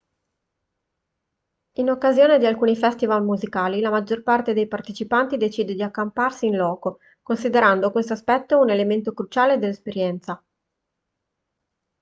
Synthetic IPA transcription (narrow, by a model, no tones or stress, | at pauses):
inokːazjoːned̪ialkuːnifɛst̪ivalmuzikaːlilamad͡ʒːorpart̪ed̪ejpart̪et͡ʃipant̪id̪et͡ʃiːd̪ed̪iakːamparsiːnlɔːko | konsid̪eɾand̪okwest̪oaspɛt̪ːounelement̪okɾut͡ʃaːled̪elːespeɾjɛnt̪sa